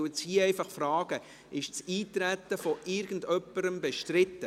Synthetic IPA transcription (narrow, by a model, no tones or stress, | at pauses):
wt͡shiːɛɪfɑχfrɑːɡ̥ə | ɪʃt͡siːt̪ɾæt̪ːəfɔʔɪɾɡ̥ən̩dœpːəɾəmbɛʃtɾɪtːə